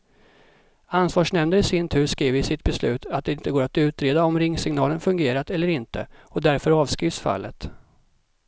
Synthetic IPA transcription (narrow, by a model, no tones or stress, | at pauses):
ansvɑːʂnɛmd̪əɾɪsɪnt̪ʰʉ̟ːɾʂkɾiːvəɾɪsɪt̪̚bɛslʉ̟ːt̪ʰat̪̚d̪ɛɪnt̪əɡoːɾat̪ʉ̟ːt̪ɾeːd̪aɔmɾɪŋːsɪŋnɑːlənfɵŋɡeːɾat̪ɛlːəɾɪnt̪ʰə̰ɔd̪æɾfœɾɑːvskɾiːvsfa̰lːət̪